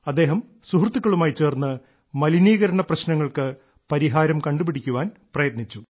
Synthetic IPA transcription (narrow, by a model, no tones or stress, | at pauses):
ɐd̪ːe̞ːɦɐm | suɦrt̪ːukːɐɭumaːjit͡ɕe̞ːrnːɨ | mɐliniːɣɐɾɐɳɐprɐɕnɐŋːɐɭkɨ | pɐɾiɦaːɾɐmkɐɳɖupiɽikʲːuʋaːnprɐjɐt̪nit͡ɕːu